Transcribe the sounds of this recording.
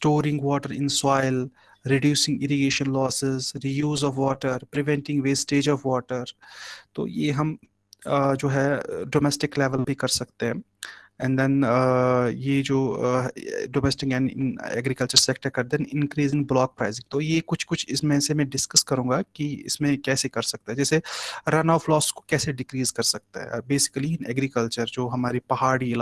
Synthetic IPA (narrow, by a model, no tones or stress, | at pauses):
sʈoːɾɪ̃ŋɡʋɔːʈəɾɪ̰̃nsaːɪl | ɾɪɖjuːsɪ̃ŋɡɪɾɪɡeːʃə̃nlɔːsɪzɾijuːzɔːʋʋɔːʈəɾpɾɪʋɛ̃ɳʈɪ̃ŋɡʋeːsʈeːd͡ʒɔːfʋɔːʈəɾt̪o̰ːjḛɦɐm | d͡ʒoːɦɛɖoːmɛsʈɪklɛʋəlbʱikɐɾsɐkt̪eɦɛ̃ː | ɛ̃nɖd̪ɛ̃n | jed͡ʒoː | ɖoːmɛːsʈɪkjaːniɪ̰nɛ̰ːɡɾɪkəlt͡ʃəɾseːkʈəɾkɐɾd̪ɛ̃nɪ̃nkɾiːzɪ̃nblɔːk̚pɾaːɪzɪ̃ŋt̪ojekʊt͡ʃʰkʊt͡ʃʰɪsmɛ̃ːsemɛ̃ɖɪskɐskɐɾũːɡakiɪ̰smẽkɛːsekɐɾsɐk̚t̪eɦɛ̃d͡ʒɛːseɾɐnaːʊflɔːsko̥kɛːseɖɪkɾiːzkɐɾsɐk̚t̪a̰ɦɛ̰̃beːsɪ̥kəliɪ̃nɛɡɾɪkəlt͡ʃəɾd͡ʒoːɦɐmaːɾipɐɦaːɽil